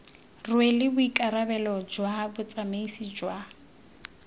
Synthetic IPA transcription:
rʊelɪbʊikʼaɾabɛlɔd͡ʒwabʊt͡sʼameisid͡ʒwa

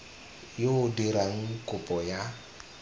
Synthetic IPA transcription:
joʊdiɾaŋ̩kʼʊpʼɔja

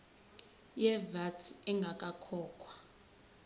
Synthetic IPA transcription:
jɛvatʰiɛŋɡʱakʼakʰɔːkʰwḁ

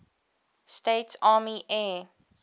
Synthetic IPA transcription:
steɪtsɑːmiʔɛ

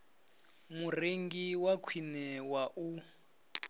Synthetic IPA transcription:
mureŋɡiwakʰwinɛwaʔu

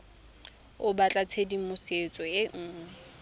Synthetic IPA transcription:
ʊbat͡ɬʼat͡sʰedimʊset͡sʼɔjeŋ̩ː

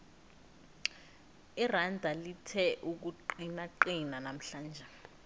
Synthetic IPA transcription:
irandʱalitʰɛʔuk̬uǃinaǃinanam̩ɬaːnd͡ʒʱɛ

